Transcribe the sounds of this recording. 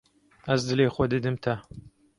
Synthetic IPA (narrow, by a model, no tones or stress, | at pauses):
ɐzd̪ɨleːxwɔd̪ɨd̪ɨmt̪ʰɐ